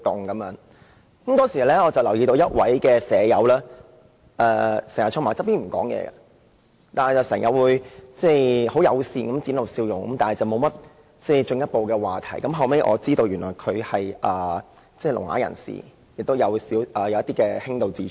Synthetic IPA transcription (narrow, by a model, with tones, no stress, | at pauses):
t̪ʊ˨ŋkɐ˨˥mjœː˨˧˥ŋ | kɐ˨˦mt̪ɔː˥ŋsiː˨˩˨lɛː˥ɔː˨˧t͡sɐ˨˩wlɐ˨˩wjiː˧t̪o˧wjɐ˥t̚wʔɐ˨˥jkɛː˧sɛː˨˧jɐ˨˧wlaː˥ | ɛː˧sɛ˨˩jɐ˨˩tt͡ʃʰʊ˥maː˨˩t͡sɐ˥piː˥nm̩˨˩kɔ̰ː˨˥ŋjɛ̰ː˧ɐ̰˧ | t̪aː˨nhɐ˨jt͡sɐ˨wsɛː˨˩ŋjɐ˨t̚wuː˨˧jt͡sɛː˥˩ho˨˥wjɐ˨˧wsiː˧kɐ˨˥mt͡siː˨˥nlɐ˨˩wsiː˧wjʊ˨ŋkɐ˨˥mt̪aː˨hɐ˨˩jt͡sɐ˨wmo˨˧wmɐ˥t̚ | t͡sɛː˥˩jt͡ʃɵ˧ŋjɐ˥t̚po˨wkɛː˧waː˨˩t̪ʰɐ̰˨˩jkɐ˨˥mɦɐ˨wme˧jʔɔ̰˨˧t͡siː˥t̪o˧wjyː˨˩nlɔː˨˩jkʰɵ˨˧ɥhɐ˨jʔɐː˨ | t͡sɛ˥˩lʊ̰˨˩ŋa̰ː˨˥jɐ̰˨˩nsḭː˨˩ | jɪ̰˨k̚t̪o˥wjɐ˨˧wsiː˨˥wʔɐː˨jɐ˨˧wjɐ˥t̪iː˥kɛː˧hɪ˥ŋt̪o˨wt͡siː˧˩